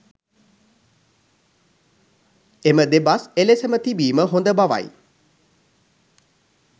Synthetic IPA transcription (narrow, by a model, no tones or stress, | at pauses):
eməd̪ebaselesəmət̪ibiːməɦond̪əbaʋa̰j